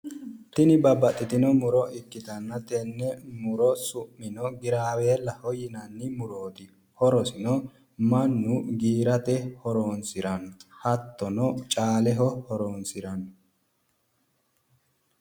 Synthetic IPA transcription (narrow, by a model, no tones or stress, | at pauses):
t̪ɪnɪbɐbɐt̪ʼːɪt̪ɪnɔmʊɾɔʔɪkːɪt̪ɐnːɐt̪ɛnːɛmʊɾɔsʊmːɪnɔɡɪɾaːweːlːɐhɔjɪnɐnːɪmʊɾoːt̪ɪ | hɔɾɔsɪnɔ | mɐnːʊɡiːɾɐt̪ɛhɔɾoːnsɪɾɐnhɐt̪ːɔnɔt͡ʃʼaːlɛɦɔhɔɾoːnsɪɾɐn